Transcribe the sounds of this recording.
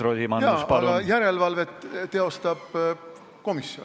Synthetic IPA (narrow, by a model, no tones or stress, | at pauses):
ɾolʲimɑnjɑspɑluɡɑjæɾe̞lvɑlve̞t̪t̪e̞o̞st̪ɑb̥ | ko̞misjo̰n